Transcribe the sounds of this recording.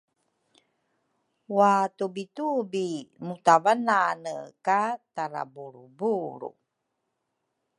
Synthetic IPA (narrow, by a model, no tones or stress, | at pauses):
watubitubimutavananə̰kataɾa̰buɾubuɾṵ